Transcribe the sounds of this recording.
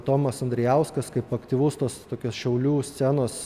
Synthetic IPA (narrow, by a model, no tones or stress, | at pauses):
t̪oːmɐsɐnʲd̪ɾʲɛjɛˑʊskɐskɐɪpɐkt̪ʲiːʋoːst̪oːst̪oːkʲoːsʃʲɛʊlʲuːsʲt͡s̪ʲænoːs